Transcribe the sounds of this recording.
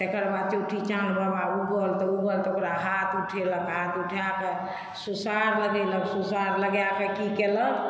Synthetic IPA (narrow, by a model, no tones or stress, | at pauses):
t̪ekəɾbat͡ʃeuʈʰit͡ʃãɳɖbʱəbauɡəlt̪ɔuɡəlt̪ɔokɾaɦat̪ʰuʈʰeləkɦat̪uʈʰjake | susaɾləɡeləksusaɾləɡjakekikelək